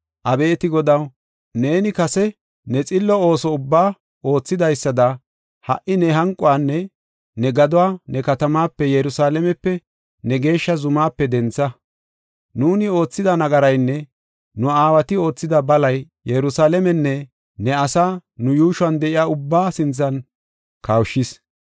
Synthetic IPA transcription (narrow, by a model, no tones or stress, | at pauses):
ʔɐbe̞ːt̪ɪɡɔd̪ɐw | ne̞ːnɪkɐsɛ | nɛt͡sʼɪlːɔo̞ːsɔʊbːaː | o̞ːt͡sːɪd̪ɐjsːɐd̪ɐ | hɐ̰ʔɪnɛɦɐŋkʼʊwaːnːɛ | nɛɡɐd̪ʊwaːnɛkɐt̪ɐmaːpːɛjɛɾʊsaːlɛmɛpːɛ | nɛɡe̞ːʃːɐzʊmaːpːɛd̪ɛnt͡sːɐ | nuːnɪo̞ːt͡sːɪd̪ɐnɐɡɐɾɐjnːɛ | nʊaːwɐt̪ɪo̞ːt͡sːɪd̪ɐbɐlɐj | jɛɾʊsaːlɛmɛnːɛ | nɛɐsaːnʊjuːʃʊɐnd̪ɛʔɪjaːʊbːaːsɪnt͡sːɐn | kɐwʃːɪs